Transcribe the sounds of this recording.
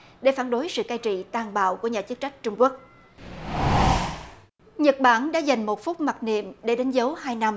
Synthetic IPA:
ɗe˧˩faː˧˩nɗo˨˦jsɨ̰˧˨kaː˧jt͡ɕḭ˧˨t̪aː˧˩ŋɓa̰ː˧˨wku˧˩əɲaː˨˩t͡ɕə˦˥t̚t͡ɕa˦˥jk̟̚t͡ɕʊ˧ŋ͡mku˦˥ək̚ | ɲə˨˩t̚ɓaː˧˩ŋɗa̰ː˧˥za˨˩jŋ̟mo˨˩t̚fʊ˦˥k͡p̚ma˨˩nḭ˧˨əmɗe˧˩ɗe˨˦nzə˨˦whaː˧jna˧m

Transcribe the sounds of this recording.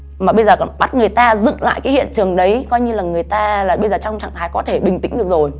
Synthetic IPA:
maː˨˩ɓə˧jzəː˨˩kɔ˧˩nɓa˦˥t̚ŋɨ˨˩əjt̪aː˧zɨ̰˧˨ŋla̰ː˧˨jkaː˨˦hḭ˧˨ənt͡ɕɨ˨˩əŋɗə˨˦jkɔ˧jɲɨ˧laː˨˩ŋɨ˨˩əjt̪aː˧laː˨˩ɓə˧jzəː˨˩t͡ɕɔ˧wŋ͡mt͡ɕa̰ː˧˨ŋt̪ʰaː˨˦jkɔ˨˦t̪ʰe˧˩ɓï˨˩ŋ̟t̪ï˨˦ŋ̟ɗɨ˨˩ək̚zo˨˩j

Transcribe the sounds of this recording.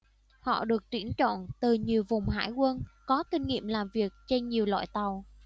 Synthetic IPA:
hɔ̰˧˨ɗɨ˨˩ək̚t̪wi˧˩ənt͡ɕɔ̰˧˨nt̪ɨ˨˩ɲi˨˩əwvʊ˨˩ŋ͡mɦa̰ː˧˥jkwə˧nkɔ˨˦kï˧ŋ̟ŋḭ˧˨əmlaː˨˩mvi˨˩ək̚t͡ɕe˧nɲi˨˩əwlwa̰ː˧˨jt̪a˨˩w

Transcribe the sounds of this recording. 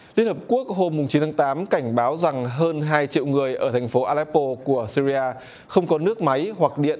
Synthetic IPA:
li˧ənhə˨˩p̚ku˦˥ək̚ho˧mːʊ˨˩ŋ͡mt͡ɕi˨˦nt̪ʰa˨˦t̪aː˨˦mka˧˩jŋ̟ɓaː˨˦wza˨˩ŋɦəː˧nɦaː˧jt͡ɕḭ˧˨wŋɨ˨˩əjʔəː˧˩t̪ʰa˨˩ŋ̟fo˨˦ʔaː˧lɛ˦˥pːo˧ku˧˩əsi˧zi˧ʔaː˧ | xə˧wŋ͡mkɔ˨˦nɨ˦˥ək̚ma˨˦jhwa˨˩k̚ɗḭ˧˨ən

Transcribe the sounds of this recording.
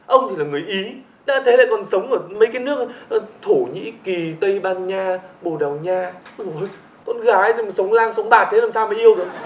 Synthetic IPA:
ʔə˧wŋ͡mt̪ʰi˨˩laː˨˩ŋɨ˨˩əjʔi˨˦ | ɗa̰ː˧˥t̪ʰe˨˦la̰ː˧˨jkɔ˨˩nsə˨˦wŋ͡mʔəː˧˩mə˨˦jkaː˨˦nɨ˦˥ək̚t̪ʰo˧˩ɲḭ˧˥ki˨˩t̪ə˧jɓaː˧nɲaː˧ɓo˨˩ɗa˨˩wɲaː˧˨˩o˨˩j | kɔ˧˩nɣaː˨˦jsə˨˦wŋ͡mlaː˧ŋsə˨˦wŋ͡mɓaː˧˩t̪ʰe˨˦laː˨˩msa˧wmə˨˦ʔi˧əwzo˨˦

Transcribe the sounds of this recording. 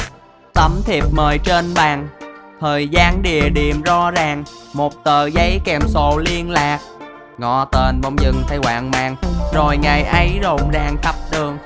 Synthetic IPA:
t̪ə˨˦mt̪ʰi˨˩p̚məː˨˩jt͡ɕe˧nɓaː˨˩ŋt̪ʰəː˨˩jzaː˧nɗḭ˨˩əɗi˨əmzɔ˧zaː˨˩ŋ | mo˨˩t̚t̪əː˧˨˩zə˨˦jkɛ˨˩mso˧˩li˧ənlaː˨˩k̚ | ŋɔ˧˩t̪e˧˩nmɔ˧wŋ͡mzɨ˨˩ŋt̪ʰa˧jwa̰ː˧˨ŋma̰ː˧˨˩ŋzo˨˩jŋa˨˩jʔə˨˦jzo˨˩ŋ͡mzaː˨˩ŋxʰə˦˥p̚ɗ̪ɨ˨˩əŋ

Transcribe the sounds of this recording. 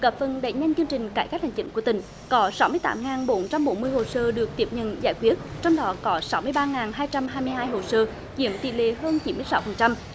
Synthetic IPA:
ɣa˨˩p̚fə˨˩nɗə̰˧˨jɲa˧jŋ̟t͡ɕɨ˧əŋt͡ɕï˨˩ŋ̟kaː˧˩jka˦˥k̚hŋ̟t͡ɕï˧˦ŋkət̪ï˨˩ŋ̟ | kɔ˨˦sa˨˦wmɨ˧jt̪a̰ː˨˦mŋaː˨˩nɓo˨˦nt͡ɕa˧mɓo˨˦nmɨ˧əjho˨˩səː˧ɗɨ˨˩ək̚t̪i˦˥əp̚ɲə̰˧˨nza̰ː˧˩jkwi˦˥ət̚t͡ɕɔ˧wŋ͡mɗɔ˨˦kɔ˨˦sa˨˦wmɨ˧əjɓaː˧ŋaː˨˩nɦaː˧jt͡ɕa˧mɦaː˧jmɨ˧əjɦaː˧jɦo˨˩səː˧ | zḭ˧˥əmt̪ḭ˧˨lḛ˧˨ɦəː˧nt͡ɕi˨˦mɨ˧əjsa˨˦wfə˨˩nt͡ɕa˧m

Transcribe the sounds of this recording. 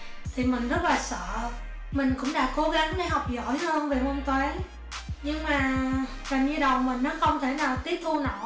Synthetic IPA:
t̪ʰi˨˩mï˨˩ŋ̟zə˦˥t̚laː˨˩sə̰ː˧˨ | mï˨˩ŋ̟kʊ̰˧˥ŋ͡mɗa̰ː˧˥ko˨˦ɣa˨˦ŋɗa˨˦jɦa˨˩wk͡p̚zɔ̰˧˩˨jhə˧nve˨˩mo˧nt̪waː˨˦n | ɲɨ˧ŋmaː˨˩ | t͡ɕa˨˩mɲɨ˧ɗə˨˩wmï˨˩ŋ̟nɔ˨˦xə˧˩wŋ͡mt̪ʰe˧˩naː˨˩wt̪i˦˥əp̚t̪ʰu˧nɔ̰˧˩˨

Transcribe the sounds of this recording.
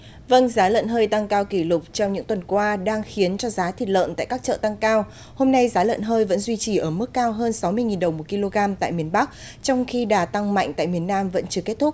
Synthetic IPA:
və˧nzaː˨˦lə̰ː˧˨nɦəː˧jt̪a˧ŋkaː˧wki˧˩lʊ˨˩k͡p̚t͡ɕɔ˧wŋ͡mɲɨ̰˧˥ŋt̪wə˨˩nkwaː˧ɗaː˧ŋxi˨˦ənt͡ɕɔ˧zaː˨˦t̪ʰi˨˩t̚lə̰ː˧˨nt̪a̰ː˧˨jkaː˦˥k̚t͡ɕə̰ː˧˨t̪a˧ŋkaː˧w | ho˧mna˧jzaː˨˦lə̰˧˨nɦəː˧jvə̰˧˥nzwi˧t͡ɕi˨˩ʔəː˧˩mɨ˦˥kːaː˧wɦəː˧nsa˨˦wmɨ˧əjŋi˨˩nɗə˨˩wmo˨˩t̚ki˧lo˧ɣaː˧mt̪a̰ː˧˨jmi˧˩ənɓa˦˥k̚ | t͡ɕɔ˧wŋ͡mxi˧ɗaː˧˩t̪a˧ŋma̰˧˨jŋ̟t̪a̰ː˧˨jmi˨˩ənːaː˧mvə̰˧˥nt͡ɕɨ˧əke˦˥t̚t̪ʰʊ˦˥k̚

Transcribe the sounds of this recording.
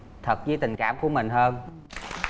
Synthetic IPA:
t̪ʰə˨˩t̚zɨ˧˦jt̪ï˨˩ŋ̟kaː˧˥mku˧˩˦əmï˨˩ŋ̟h̪ʰəː˧m

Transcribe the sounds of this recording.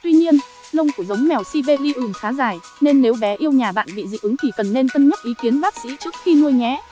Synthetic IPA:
t̪wi˧ɲi˧ən | lə˧wŋ͡mku˧˩əzə˨˦wŋ͡mmɛ˨˩wsi˧ve˧li˧ʔɨ˨˩ŋxaː˨˦zaː˨˩j | ne˧nːe˨˦wɓɛ˨˦ʔi˧əwɲaː˨˩ɓa̰ː˧˨nɓḭ˧˨zḭ˧˨ʔɨ˨˦ŋk̪i˧˩kə˨˩nːe˧nt̪ə˧nɲə˦˥t̚ʔi˨˦ki˨˦ənɓaː˦˥k̚sḭ˧˥t͡ɕɨ˦˥ək̚xi˧nu˧əjŋɛ˨˦

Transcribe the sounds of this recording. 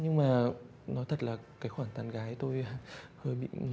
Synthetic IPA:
ɲɨ˧ŋmaː˨˩ | nɔ˨˦jt̪ʰə˨˩t̚laː˨˩kaː˨˦jxwaː˧˩nt̪aː˧˩nɣaː˨˦jt̪o˧jhəː˧˩jɓḭ˧˨

